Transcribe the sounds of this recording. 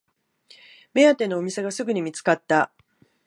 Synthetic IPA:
me̞at̪e̞no̞ːmʲise̞ɡasɨɡɯ̟ɲ̟imʲit͡sɨ̥kat̪ːa

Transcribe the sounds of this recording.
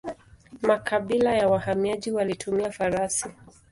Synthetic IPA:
makʰaɓilajawahamiaʄiwalitʰumiafaɾasi

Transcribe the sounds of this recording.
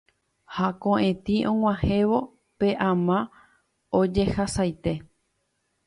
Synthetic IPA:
hakõʔẽt̪ĩʔõŋ̃ãhẽ̞ʋo̞ | pe̞ʔãmã | od͡ʒe̞hasajt̪e̞

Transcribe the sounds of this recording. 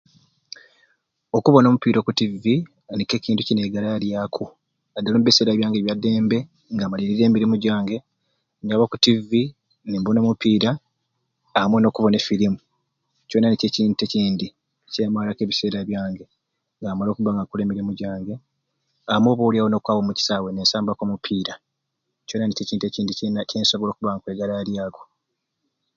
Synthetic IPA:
okuβo̞no̞ːmupiːɾo̞kutivi | nike̞ːciːntucine̞ɡalaɾjaːkʰu | adːalomuβise̞ːɾaβjaːŋɡeβjadːe̞ːmbe̞ | ŋɡaːmaliɾiɾe̞ːmiɾimuɟaːŋɡe̞ | ɲaβokutivi | nimbono̞ːmupiːɾaː | mweno̞ːkuβo̞nefilimu | co̞ːnanece̞ciːnteciːndi | ceːmalakeβise̞ːɾaβjaːŋɡe̞ | ŋɡaːmalo̞ːkuβaŋɡakule̞ːmiɾimuɟaːŋɡe̞ | amwo̞ːβowliawono̞ːkwaːwomuci̥saːwe̞neːnsaːmbakomupʰiːɾa | co̞ːnaniceciːnteciːndicenaceːnso̞βolo̞ːkuβaŋkweɡalaɾjaːɡo

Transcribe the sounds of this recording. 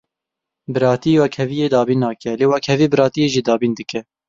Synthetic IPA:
bɨɾɑːt̪ijewɛkhɛvijeːd̪ɑːbiːnːɑːkɛleːwɛkhɛvibɨɾɑːt̪ijeʒid̪ɑːbiːnd̪ɨkɛ

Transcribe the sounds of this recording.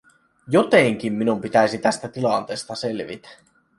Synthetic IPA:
jot̪eŋk̟imːinumpit̪æjsit̪æst̪æt̪ilɑnt̪eːst̪ɑselʋḭt̪æ̥

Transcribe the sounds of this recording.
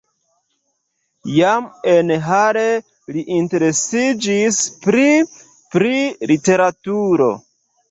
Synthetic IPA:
jame̞nɦaɾe | liʔinte̞ɾe̞sid͡ʒispɾi | pɾilite̞ɾatuɾo̞̰

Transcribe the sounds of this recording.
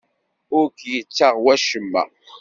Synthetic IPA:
ʊɾkjət͡sːaʁwæʃəmːæ̰

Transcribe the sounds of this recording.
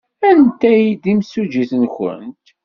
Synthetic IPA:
ænt̪æjid̪imsud͡ʒiθənçə̰nt̪

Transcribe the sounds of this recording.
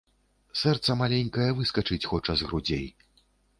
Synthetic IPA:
sɛrt̪sɐmalʲenʲkɐjɛvɨskɐt͡ʂɨt͡sʲxɔt͡ʂɐzɣɾud͡zʲḛj

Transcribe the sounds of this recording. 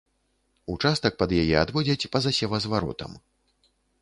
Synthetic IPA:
ut͡ʂast̪ɐk̚pɐd̪jajɛad̪vɔd͡zʲɐt͡sʲpɐzasʲɛvɐzvaɾɔ̰t̪ɐ̰m

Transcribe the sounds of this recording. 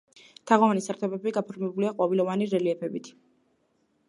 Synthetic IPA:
t̪ʰaʁɔvanisaɾt̪ʰɔbɛbiɡapʰɔɾmɛbuliaqʼwɔvilɔvaniɾɛliɛpʰɛbit̪ʰ

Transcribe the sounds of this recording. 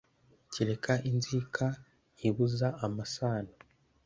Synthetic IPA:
ciɾe̞kʰaʔinzikʰa | jiβuzaːmasaːno

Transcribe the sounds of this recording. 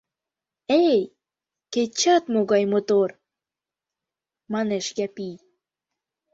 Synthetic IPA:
ej | ket͡ɕːɑt̪moɣɑjmot̪or | mɑneʃjæpij

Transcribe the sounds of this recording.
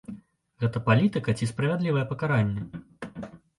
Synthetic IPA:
ɣɛt̪ɐpalʲit̪ɨkɐt͡sʲispɾɐvʲad̪lʲivɐjɛpɐkaɾanʲːɛ

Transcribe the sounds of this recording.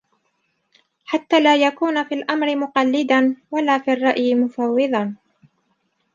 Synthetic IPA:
ħat̪ːaːlaːjakuːnafiːlʔamɾɪmʊqɑlːɪd̪anwalaːfiːɑrˤːɑʔjɪmʊfɑwːɨðˤɑn

